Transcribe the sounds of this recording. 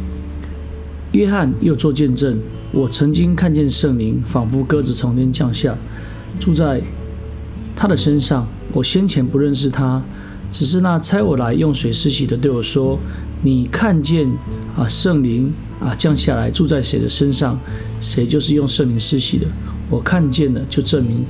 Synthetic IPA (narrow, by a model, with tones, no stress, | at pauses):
jɥɛ˥xa˥˨njo˥˧ʊt͡swɔ˥˧t͡ɕjɛ˥˧nʈ͡ʂə˥˩n | wɔ˨˩t͡sʰɤ˧˦˥ŋt͡ɕi˦ŋkʰa˥˧nt͡ɕjɛ˥˨nʂə˥˩ŋli˧˥ŋfɑ˨˩ŋfu˥kɤ˦d͡zɹ̩˨t͡sʰɔ˧˥ŋt̪ʰjɛ˥nt͡ɕjɑ˥˧ŋɕja˥˩ | ʈ͡ʂu˥˧t͡sa˥˩ɪ | t̪ʰa˦d̪ə˨ʂə˦nʂɑ˥˩ŋ | wɔ˨˩ɕjɛ˦nt͡ɕʰjɛ˧˥npu˧˦ɻə˥˧nʂ̬ɻ̩˥˩t̪ʰa˦ | ʈ͡ʂɻ̩˨˩ʂ̬ɻ̩˥˧na˥˨t͡sʰa˥ɪwɔ˨˩la˧˦ɪjo˥˨˩ŋswe˧˥ɪʂɻ̩˥ɕi˨d̪ə˦t̪we˥˩ɪwɔ˨˩ʂwɔ˥ | ni˨˩kʰa˥˧nt͡ɕɛ˥˨n | ə˨ʂə˥˩ŋli˧˥ŋ | ə˨t͡ɕjɑ˥˧ŋɕja˥˩la˧˦ɪʈ͡ʂu˥˧t͡sa˥˩ɪʂe˧˥ɪd̪ə̰˧ʂə˦˥nʂɑ˥˩ŋ | ʂe˧˥ɪt͡ɕjo˥˧ʊʂɻ̩˥˧jo˥˧ŋʂə˥˩ŋli˧˥ŋʂɻ̩˥ɕḭ˨˩d̪ə˦ | wɔ˨˩kʰa˥˧nt͡ɕjɛ˥˩nd̪ə˩t͡ɕjo˥˧ʊʂə˥˩nmi˧˥ŋ